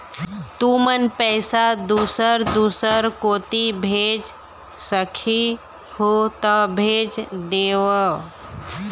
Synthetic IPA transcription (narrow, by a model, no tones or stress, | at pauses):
t̪umənpɛɪsad̪usəɾd̪usəɾkoːt̪ibʱed͡ʒ | səkʰi | hot̪əbʱed͡ʒd̪eʋə